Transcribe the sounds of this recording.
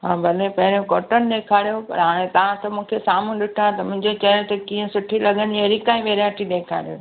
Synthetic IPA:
ɦaːbʱɐlepɐɦɪɾjõkoːʈənɪ̆ɗeːkʰaːɾijopɐ̰ɾɦaːɽ̃ẽt̪ɐʋ̤ãt̪ɐmũːkʰesaːmũɗɪʈʰãːt̪ɐmʊ̃ɦɪ̃ɲd͡ʑet͡ɕɐjõt̪ɐkĩːə̃sʊʈʰilɐɠəniaɾikaːĩʋeːɾjaːʈiɗeːkʰa̰ːɽijo

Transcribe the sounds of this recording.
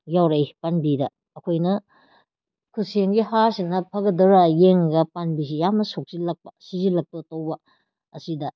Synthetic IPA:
jawɾajpanbidɐː | kʰojnɐ | kʰuseŋɡihasinɐpʰɐɡɐdɐɾajeŋɡɐpanbis̬ijamnɐsok̚silɐk̚pɐ̥sizilɐk̚pɐtɐwbɐ | ɐsidɐ

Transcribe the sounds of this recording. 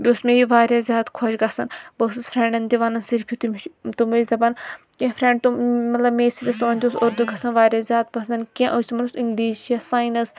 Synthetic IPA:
bʲoːsmeːjiʋaːɾjazʲjaːd̪kʰoʃɡɐsɐnbɐsɐsfʰɾeɳɖɐnt̪iʋɐnɐnsiɾpʰit̪umt̪umɐzɐbɐn | kʲẽfɾẽɳɖ̚t̪umɐt̪lɐbmeːsiɾɐsoːnʲt̪ʲosoɾd̪uɡɐsɐnʋaːɾʲjaːzʲjaːd̪̚bɐsɐnkʲẽʔosimɐnusiŋɡliːʃiɐsaːjnɐs

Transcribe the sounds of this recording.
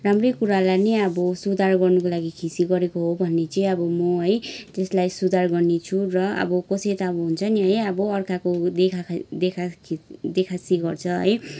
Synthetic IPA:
ramrʌjkuɾalaniʌbʌsud̪ʱarɡʌrnʌkolaɡikʰisiɡʌɾekoɦobʱʌnːet͡sʌĩʌbʌmʌɦʌjd͡zeslajsud̪ʱarɡʌrnet͡sʰurʌʌ̰bʌkʌsʌjt̪ʌːbʌɦunt͡sʰʌniɦʌjʌbʌʌrkakod̪ekʰad̪ekʰad̪ekʰasiɡʌrt͡sʰʌɦʌ̰j

